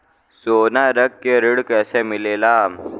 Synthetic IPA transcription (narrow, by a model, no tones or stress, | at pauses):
soːnaɾəkːeɾiɽkɛːsemilela